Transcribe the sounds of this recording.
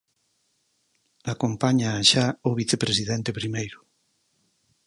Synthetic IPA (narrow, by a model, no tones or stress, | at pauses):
akompaɲaʃaʊβiθepɾesiðɛnt̪epɾimejɾʊ